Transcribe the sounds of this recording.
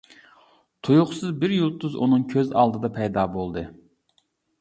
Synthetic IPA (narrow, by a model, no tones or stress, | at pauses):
t̪ʰujʊχsɨzbɪɾjulˠt̪ːʊzṵnɨŋkʲʰøzɑ̰lˠd̪ɨd̪ɑpʰɛjd̪ɑːbolˠd̪ɨ